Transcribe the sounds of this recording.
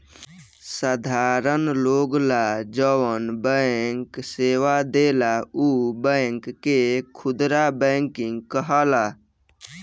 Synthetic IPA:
sad̪ʱaɾənloɡlad͡ʒəwənbəŋkseʋad̪elaubəŋkːekʰʊd̪ɾabəŋkiŋɡkəɦəla

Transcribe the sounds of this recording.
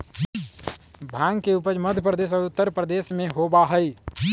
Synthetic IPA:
bʱãːŋɡkeupəd͡ʒməd̪ʱjəpɾəd̪eːs̬ɔːɾʊt̪ːəɾpɾəd̪eːsmẽɦobaɦəi

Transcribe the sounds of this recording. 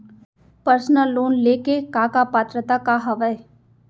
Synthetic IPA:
pəɾsnəlːoːnleːkekaːkapaːt̪ɾət̪akaɦɐʋəe

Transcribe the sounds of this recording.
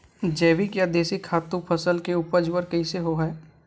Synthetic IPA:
d͡ʒɛːʋikjad̪eːsikʰːaːt̪ũpʰəsəlkeuːpəd͡ʒwəɾkɐiseɦoɦɛː

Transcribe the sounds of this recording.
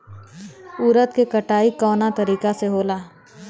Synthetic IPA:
uːɾət̪kekɐʈaːikɔːnat̪ɐɾiːkaseɦoːlaː

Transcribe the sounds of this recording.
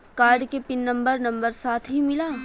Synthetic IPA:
kaːɾɖkepɪnːɐ̃mbəɾnɐ̃mbəɾsaːt̪ʰɦimɪlaː

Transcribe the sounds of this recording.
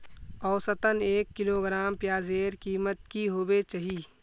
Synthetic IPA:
ɔːsət̪əneːkːɪloːɡɾaːmpjaːzeːɾkiːmət̪̚kiɦoːbet͡ʃaɦiː

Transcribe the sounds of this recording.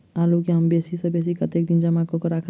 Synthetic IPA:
aːlukiɦɐmbeːsisɐbeːs̬ikɐt̪eːk̚d̪ɪnd͡ʒɐmakokəɾaːkʰ

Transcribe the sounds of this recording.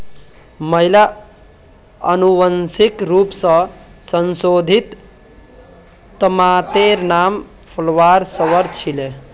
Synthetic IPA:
məɦila | ənuʋənsikɾupsə̃sənsod̪ʱit̪ | əmat̪eɾnam | pʰəlʋaɾsəʋəɾt͡ʃʰile

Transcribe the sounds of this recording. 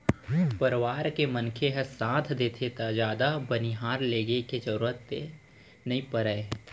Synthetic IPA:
pəɾʋaːɾkemənkʰeɦɛsãːt̪ʰd̪eːt̪ʰet̪ad͡ʒaːd̪abəniɦaːɾleːɡeked͡ʒəɾuːɾət̪ːe | nɐɦĩpəɾəe

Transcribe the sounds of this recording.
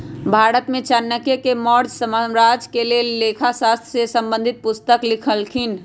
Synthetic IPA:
bʱaːɾət̪mẽt͡ʃənːəkjəkemɔɾd͡ʒsəməɾad͡ʒkelelːekʰasast̪ʰjsesə̃mbə̃nd̪ʱit̪̚pust̪əklikʰəlkʰin

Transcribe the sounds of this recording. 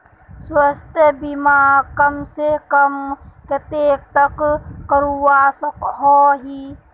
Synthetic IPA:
swəst̪ʰebimaːkɐmsekɐmket̪eːk̚t̪ɐkkəɾuaːsəkɦɔːɦi

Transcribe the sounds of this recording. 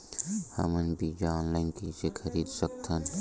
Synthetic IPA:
hɐ̰mənbid͡ʒaɔ̃ːnlaɪnkisekʰɐɾiːd̪sək̚t̪ʰən

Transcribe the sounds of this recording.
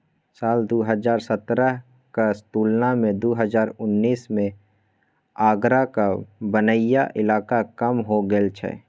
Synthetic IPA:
saːld̪oːɦəzaːɾsət̪ɾəɦ | kast̪uːlnamẽd̪oːɦəzaːɾʊnːiːsmẽ | aːɡɾakabənəjaʔɪlaːkakəmɦoɡəlt͡ʃʰɛ̰

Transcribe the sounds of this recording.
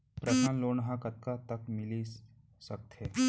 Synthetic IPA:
pɾɐsaːnloːnɦãkət̪̚kat̪əkmɪli | sək̚t̪ɦɛ

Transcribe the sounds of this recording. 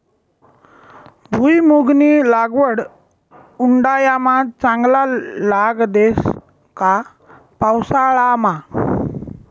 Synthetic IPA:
bʱujmuɡnilaɡʋəɽ | uɳɖajamat͡sãŋɡlalaɡd̪es | ka | pawsaɭama

